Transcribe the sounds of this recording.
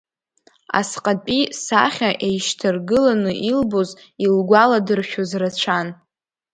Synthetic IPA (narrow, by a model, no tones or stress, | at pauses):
a̰sqʼapʼisa̰χʲaʔejʃtʰarɡɨlanɨʔilbozilɡʷaladɨrʃᶣozrat͡ɕʷʰan